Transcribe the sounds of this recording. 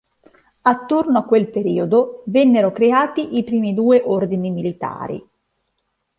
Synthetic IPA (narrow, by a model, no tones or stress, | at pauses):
at̪ːornoakːwelpeɾiːod̪ovɛnːeɾokɾeaːt̪iʔipɾiːmid̪uːeʔord̪inimilit̪a̰ːɾḭ